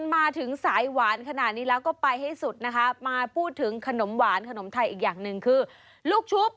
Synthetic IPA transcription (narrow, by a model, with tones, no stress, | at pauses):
nmaː˧t̪ʰɯ˩˦ŋsaː˩˦jwaː˩˦nkʰa˧naː˨˩t̪̚niː˦˥lɛː˦˥wkɔː˥˩pa˧jha˥˩jsu˨˩t̪̚na˦˥kʰa˦˥maː˧pʰuː˥˩t̪ʰːɯ˩˦ŋkʰa˧no˩˦mwaː˩˦nkʰa˧no˩˦mt̪ʰa˧jʔiː˨˩k̚jaː˨˩ŋnɯ˨ŋkʰɯː˧ | luː˥˩k̚t͡ɕ̪ʰu˦˥p̚